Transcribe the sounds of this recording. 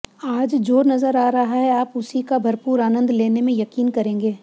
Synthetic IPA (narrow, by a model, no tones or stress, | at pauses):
aːd͡ʒd͡ʒoːɾnɐzəɾaːɾɐɦaɦɛaːpʊsikabʱɐɾpuːɾaːnə̃nd̪leːnemẽjɐkiːnkɐɾẽːŋɡeː